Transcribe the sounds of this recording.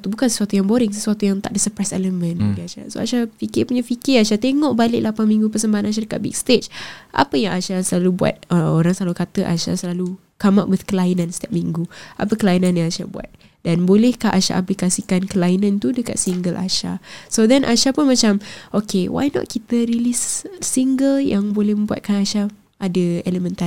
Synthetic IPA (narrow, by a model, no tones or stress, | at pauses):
t̪ubukansə̥suat̪ujaŋboɾɪŋsəsuat̪ujaŋt̪aʔ̚dəsəpɾasɛ̰ləmə̃nɡiaʃa̰so̰a̰ʃafikɪpuɲafikɪraʃat̪eŋɔʔbalɪʔlapanmĩŋɡupəsəmbaɦanaʃ̬adəkat̚bḭk̚st̪et͡ʃʔa̰pəjaŋaʃasəlalubua̰t̪̚əoɾaŋsəlalukat̪əʔa̰ʃa̰səlalu | kama̰ʔwɪθkəlainãnst̪ap̚mĩŋɡua̰p̬əkəlainãnjãŋaʃabua̰t̪̚ | danbolɛhkaʔaʃa̰ʔap̬likasikankəlainãnt̪udəka̰t̪̚siŋɡəla̰ʃa̰sodɛnʔa̰ʃapunmat͡ʃamʔokewa̰jnɔ̰t̪̚kit̪əɾilisːiŋɡəljaŋbolɛhmə̃mbua̰t̪̚kanaʃa | adəeləmə̃nt̪a